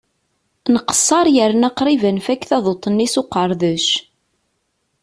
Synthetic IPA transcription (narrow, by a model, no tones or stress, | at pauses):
nəqə̥sˤːɑɾˤjəɾnɑqɾˤivænfækːθɑðˤot̪ˤːənːisoqəɾˤðəʃ